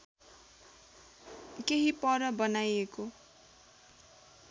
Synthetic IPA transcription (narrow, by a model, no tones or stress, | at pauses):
keɦipʌɾʌbʌnajeko